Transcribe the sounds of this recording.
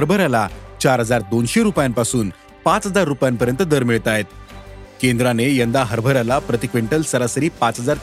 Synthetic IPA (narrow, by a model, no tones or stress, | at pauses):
ɦəɾbʱəɾalat͡ɕaɾɦəd͡zaɾd̪onɕeɾupjampasuːn | pãt͡sɦəd͡zaɾːupjampəɾjənt̪əd̪əɾmiɭt̪aɦet̪kend̪ɾanejənd̪aɦəɾbʱəɾalapɾət̪ikʋẽɳʈəlsəɾasəɾiːpat͡sɦəd͡zaɾ